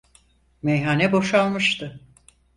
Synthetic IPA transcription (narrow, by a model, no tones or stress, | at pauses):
mejɦaːnɛbo̞ʃalˠmɯʃt̪ʰɯ